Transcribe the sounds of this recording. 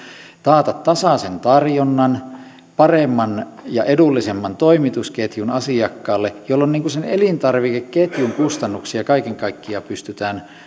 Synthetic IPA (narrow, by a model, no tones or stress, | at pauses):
t̪ɑːt̪ɑt̪t̪ɑsɑsent̪ɑrjonːɑn | pɑremːɑn | jɑʔedulːisemːɑnt̪oimit̪usket̪junɑsiɑkːɑːlːejolːonniːŋkusenelint̪ɑrʋikekket̪juŋkust̪ɑnːuksiɑkɑikeŋkɑikːiɑpyst̪yt̪æːn